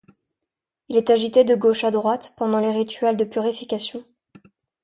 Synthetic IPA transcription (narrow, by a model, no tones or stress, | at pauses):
ilɛt̪aʒit̪ed̪əɡoʃad̪ʁwat̪pɑ̃d̪ɑ̃leʁit̪ʰɥɛld̪əpyʁifikʲasjɔ̃